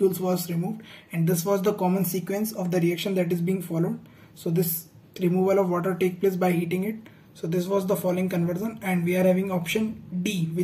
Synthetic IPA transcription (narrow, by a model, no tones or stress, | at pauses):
uːlsʋɔːzɾɪmuːʋɖɛ̃ɳɖd̪ɪsʋɔːzd̪əkɔːmə̃nsiːkʋẽnsɔːʋd̪əɾiækʃə̃nd̪æʈɪzbiːɪ̃ŋfɔːloːɖ | soːd̪ɪs | ɾɪmuːʋəlɔʋʋɔːʈəɾʈeːk̚pleːs̬baɪhiːʈɪ̃ŋɡɪʈ̚ | soːd̪ɪs̬ʋɔːzd̪əfɔːloɪ̃ŋkə̃nʋəɾʃə̃nɛ̃ɳɖʋiːaːɾhæːʋɪ̃ŋɔːpʃə̃nɖiːʋɪ